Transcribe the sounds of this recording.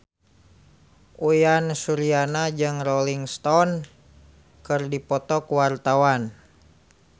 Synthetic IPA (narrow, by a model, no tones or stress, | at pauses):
ʔujansuɾianad͡ʒɨŋrɔliŋst̪ɔn | kɨrdipɔt̪ɔkuwart̪awan